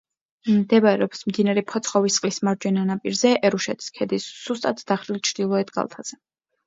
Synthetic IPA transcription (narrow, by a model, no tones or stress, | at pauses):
md̪ɛbɾɛ̰ɔpsmd̪inaɾɛpʰɔt̪sʰχɔvisqʼlismaɾd͡ʒwɛnanapʼiɾzɛʔɛɾuʃɛt̪ʰi̥skʰɛd̪isːust̪ʼat̪ʰd̪̥aχɾilt͡ʃʰɾd̪̥ilˠɔɛt̪ɡa̰lˠt̪ʰaz̥ɛ